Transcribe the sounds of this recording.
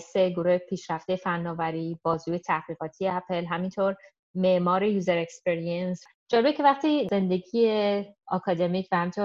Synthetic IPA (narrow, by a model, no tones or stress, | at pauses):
seɡo̞ɾuhepʰiːʃɾæft̪ejefænːɒːvæɾiːb̥ɒːzuːje̞t̪ʰæhɣiːɣɒːt̪ʰijeæpʰelɦæmint̪ʰoɾ | me̞ʔmɒːɾejuːzeɾekspeɾiens | d͡ʒɒnebecʰe̞væχt̪ize̞nd̪e̞ɟiːjeɒkʰɒːd̪e̞micʰvæhæmint̪ʰoɾ